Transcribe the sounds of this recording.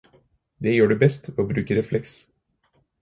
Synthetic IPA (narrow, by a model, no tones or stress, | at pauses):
d̪ejøːɖʉbɛst̪ʋɛoːbɾʉːkəɾɛflɛks